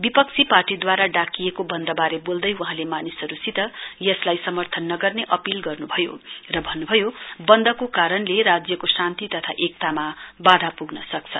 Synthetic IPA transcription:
bipʌk̚t͡sʰiparʈid̪waɾaɖakijekobʌnd̪ʌbaɾebold̪ʌjuɦãlemanisʌɾusit̪ʌjʌslajsʌmʌrt̪ʰʌnːʌɡʌrneʔʌpilɡʌrnubʱʌjo̰rʌbʱʌnːubʱʌjobʌnd̪ʱʌkokaɾʌnleɾad͡zjʌkosant̪it̪ʌt̪ʰaʔek̚t̪amabad̪ʱapuɡnʌsʌk̚t͡sʰʌ̰

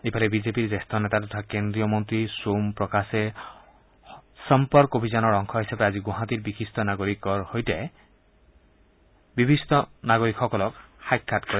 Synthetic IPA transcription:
epʰaɾebid͡ʒepiɾd͡ʒest̪ʰɔnet̪at̪ɔt̪ʰakend̪ɾijɔmɔnt̪ɾisompɾɔkase | sɔmpɔɾkobʱid͡ʒɔnɔɾɔŋkʰɔɦisabead͡ʒiɡuɦat̪iɾbikʰist̪ɔnaɡoɾikɔɾhojte | bibʱist̪ɔnaɡoɾikʰɔkɔlɔkhajkʰːatkɔɾi

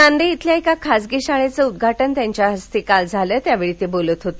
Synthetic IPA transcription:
and̪eit̪ljaekakʰasɡiɕaɭet͡səud̪ɡʱaʈənt̪jaɲt͡ɕjaɦəst̪iːkald͡zʱaləːt̪jaʋeɭit̪ebolət̪ɦot̪e

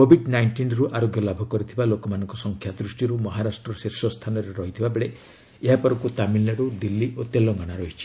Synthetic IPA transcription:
kobʱiɖnajɳʈinɾuʔaɾoɡjɔlabʱɔkɔɾit̪ʰibalokɔmanɔŋkɔsɔŋkʰjad̪ɾusʈiɾumɔɦaɾasʈɾɔsiɾsɔst̪ʰanɔɾeɾɔɦit̪ʰibabeɭe | eɦapɔɾɔkut̪amilːaɽud̪ilːiʔot̪elɔɡaɽ̃aɾɔɦit͡ʃʰi̥

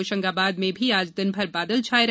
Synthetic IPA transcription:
oːʃɐ̃ŋɡaːbaːd̪mẽbʱiaːd͡ʒd̪ɪnbʱɐɾbaːd̪əlt͡ʃʰaːjɾ

